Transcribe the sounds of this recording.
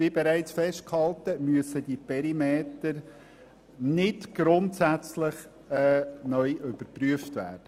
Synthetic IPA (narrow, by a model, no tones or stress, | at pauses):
vibɛɾæɪt͡sfɛʃt̚khɑltəmyəsədipʰɛɾimeːtəɾ | nɪdɡ̥ɾʊntsæt͡slɪχ | ɛnœʏʔʏb̥əɾpryəftʋæ̰ːɾd̥ə